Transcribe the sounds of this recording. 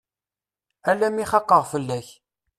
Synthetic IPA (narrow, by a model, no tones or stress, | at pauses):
ælːæmiχɑqːəʁfəlːæç